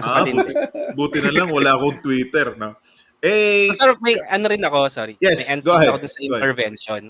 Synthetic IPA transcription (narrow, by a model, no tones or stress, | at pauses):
mɐsaɐɪnbuːt̪ɪnɐlɐŋwɐlaːkoɐŋt̪wiːt̪ɛɾno | ʔɛsoɾmɐjʔɐnoɾɪnɐko̞soɾijɛsmɐjʔɛnɡoahɛkod̪ʊnsɐpɛɾvɛnʃon